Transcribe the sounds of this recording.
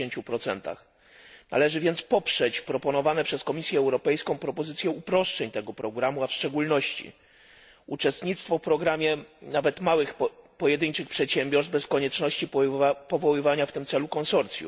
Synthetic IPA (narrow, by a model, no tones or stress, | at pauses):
eɲt͡ɕupɾɔt̪sɛ̰nt̪a̰x | na̰lɛʐɘvʲjɛnt̪spɔpʂɛt͡ɕpɾɔpɔnɔvanɛpʂɛskɔmʲisʲjɛːwɾɔpɛjskɔ̃w̃pɾɔpɔzɘt̪sʲjɛupɾɔʂt͡ʂɛɲt̪ɛɡɔpɾɔɡɾamuafʂt͡ʂɛɡulnɔɕt͡ɕḭ | ut͡ʂɛst̪ɲit̪st̪fɔfpɾɔɡɾamʲjɛnavɛt̪mawɘxpɔjɛd̪ɘɲt͡ʂɘxpʂɛt̪ɕɛmbʲjɔɾsbɛskɔɲɛt͡ʂnɔɕt͡ɕipɔvɔwɘvaɲaft̪ɘmt̪sɛlukɔnsɔɾt̪sʲjṵ